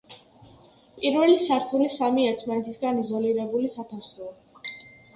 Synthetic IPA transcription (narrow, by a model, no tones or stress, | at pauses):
pʼiɾvɛlisaɾt̪ʰulisamiɛɾt̪ʰmanɛt̪ʰisɡanizɔliɾɛbulisat̪ʰafsɔa